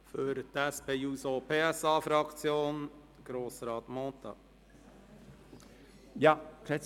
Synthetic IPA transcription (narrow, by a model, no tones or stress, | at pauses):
fœɾt̪ɛspʰeːjuːsopʰeːɛsɑːfɾɑkt̪t͡sjoːn | ɡ̥ɾoːsɾɑːt̪moːt̪ɑ | jɑɾɛ